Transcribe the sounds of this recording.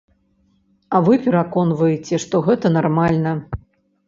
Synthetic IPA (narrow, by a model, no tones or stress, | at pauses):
ɐvɨpʲɛɾakɔnvɐjet͡sʲɛʂt̪ɔɣɛt̪ɐnarmalʲnɐ